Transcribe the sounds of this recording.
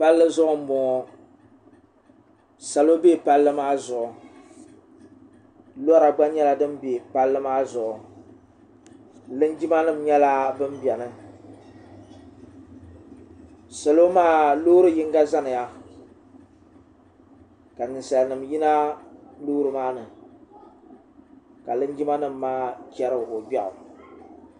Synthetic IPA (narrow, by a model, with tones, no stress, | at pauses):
pa˦lːɨ˦zʊ˦ʔʊ˦m̩˦bɔ˨ŋɔ˨ | sa˨lo˦be˦˨pa˦lːɨ˦maː˦zʊ˨ʔʊ˨ | lɔ˦ɾa˨ɡ͡ba˦ɲɛ˦la˨dɨ˦mbeː˨pa˦lːɨ˦maː˦zʊ˨ʔʊ˨ | lɨ˦nd͡ʒi˦ma˦nɨ˦m̩˨ɲɛ˦la˦bɨ˦mbjɛ˨nɨ˨ | sɛ˨lo˦maː˦lo˦ɾɨ˦ji˦ŋɡa˦za˦nɨ˨ja˦ | ka˨nɨ˨nsa˨lnɨ˨mji˦na˦lo˦ɾɨ˨maː˦nɨ˨ | ka˨lɨ˦nd͡ʒi˦ma˦nɨ˦m̩ːaː˦kɛ˦ɾɨ˦˨ʔʊ˨bɛ˦ʔʊ̰˨